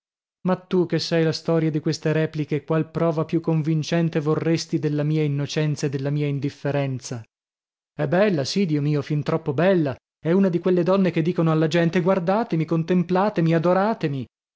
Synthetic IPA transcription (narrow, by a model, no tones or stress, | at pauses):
mat̪ːuk̟esːɛjlast̪ɔːɾjad̪ikwest̪eɾɛːplikekwalpɾɔːvapjukːoɱvint͡ʃɛnt̪evorːest̪id̪elːamiːainːot͡ʃɛnt̪saed̪ːelːamiːaind̪ifːeɾɛnt̪sa | ɛbːɛlːasid̪iːomiːofint̪ɾɔpːobɛlːa | ɛunad̪ikwelːed̪ɔnːek̟ed̪ːiːkonoalːad͡ʒɛnt̪eɡward̪aːt̪emikont̪emplaːt̪emiad̪oɾaːt̪emi